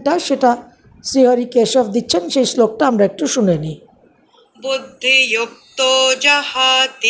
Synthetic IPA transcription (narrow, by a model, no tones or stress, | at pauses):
ʈaʃeʈa | sɾiɦɔɾikeʃɔfd̪itːt͡ʃʰenʃejslok̚ʈaamɾɛk̚ʈuʃuneni | bud̪ʱːijuk̚t̪od͡ʒɐhat̪